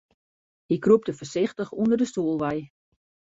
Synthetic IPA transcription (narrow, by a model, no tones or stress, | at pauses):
ɪkrup̚təfərsɪxtəxundərdəstuːlˠʋɛj